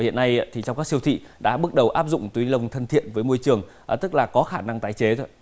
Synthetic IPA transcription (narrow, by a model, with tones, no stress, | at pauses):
hḭ˧˨ənːa˧jt̪ʰi˨˩t͡ɕa˧wŋ͡mkaː˦˥ksi˧əwt̪ʰḭ˧˨ɗa̰ː˧˥ɓɨ˦˥ək̚ɗə˨˩wʔaː˦˥p̚zʊ̰˧˨ŋ͡mt̪wi˨˦lə˨˩wŋ͡mt̪ʰə˧nt̪ʰḭ˧˨ənvəː˨˦jmo˧jt͡ɕɨ˨˩əŋ˨˩ | t̪ɨ˦˥k̚laː˨˩kɔ˨˦xaː˧˩na˧ŋt̪aː˨˦jt͡ɕe˨˦t̪ʰo˧˦j